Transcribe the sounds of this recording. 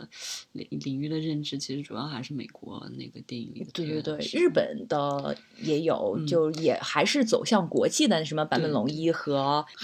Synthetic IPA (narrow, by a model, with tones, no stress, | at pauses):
ḭ˩li˨˩ŋy˥˩d̪ə˨ɻə˥˩nʈ͡ʂɻ̩˧˥t͡ɕʰi˧˥ʂɻ̩˧˥ʈ͡ʂu˨˩jɑ˥˧ʊxa˧˥ɪʂɻ̩˥˩mḛ˨˩ɪkwɔ̰˧˥na̰˥˩ɪɡə˩t̪ḭ˥˧˩t̪we˥˧t̪we˥˧ɪt̪we˥˩ɪɻɻ̩˥˩pə̰˨˩nd̪̥ə˦ | jɛ˧˥jo˨˩˦ʊt͡ɕjo˥˧ʊjɛ˨˩xa˧˥ɪʂɻ̩˥˩t͡so˨˩ʊɕjɑ˥˩ŋkwɔ̰˧˥t͡ɕʰi˥˩d̪ə˩ʂə˧˥nmə˧pa˧˥n˥mbə˨˩nlʊ˧˥ŋi˥xɤ˧˥